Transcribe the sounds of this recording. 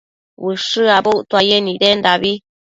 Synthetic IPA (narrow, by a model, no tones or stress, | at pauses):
wɨʂɨabot̪wajenĩdendaβi